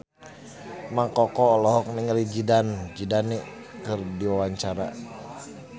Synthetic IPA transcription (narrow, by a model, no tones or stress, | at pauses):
makɔkɔlɔɦɔk̚nɛŋəlid͡ʒidand͡ʒidanɛ | kərdiwawaɲt͡ʃaɾa̰